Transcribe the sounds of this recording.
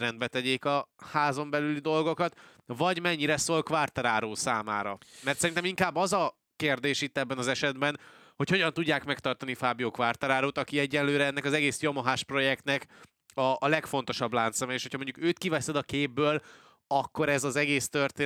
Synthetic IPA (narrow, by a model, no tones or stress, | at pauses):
ɛnd̪bɛt̪ɛɟeːkɒhaːzo̞mbɛlylid̪o̞lɡo̞kɒt̪ | vɒɟmɛɲːiɾɛsoːlkʋart̪oɾaːɾoːsaːmaːɾɒmɛrt̪sɛɾint̪ɛmiŋkaːbːɒzɒ | keːrd̪eːʃit̪ːɛbːɛnɒzɛʃɛd̪bɛnho̞cho̞ɟɒnt̪uɟːaːkmɛkt̪ɒrt̪ɒnifaːbioːkʋart̪aɾaːɾoːt̪ɒkiɛɟːɛnløːɾɛɛnːɛkɒzɛɡeːsjo̞moɦaːʃpro̞jɛkt̪nɛk | ɒːlɛkfo̞n̪t̪o̞ʃɒblaːnt̪sɛmɛeːʃho̞cʰhɒmoɲɟukøːt̪kivɛsɛd̪ɒkeːbːøːl | ɒkːo̞ɾɛzɒzɛɡeːst̪ørt̪eː